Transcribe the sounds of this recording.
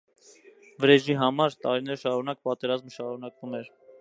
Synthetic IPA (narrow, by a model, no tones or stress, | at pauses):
vəɾɛʒiɦɑmɑɾt̪ɑɾinɛɾʃɑɾunɑk̚pɑt̪ɛɾɑzməʃɑɾunɑkvumɛɾ